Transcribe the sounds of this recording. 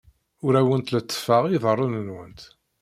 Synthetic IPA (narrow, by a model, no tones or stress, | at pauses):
ʊɾæwənt̪lət͡s̪ːə̥fəʁiðˤərˤːunənwənt̪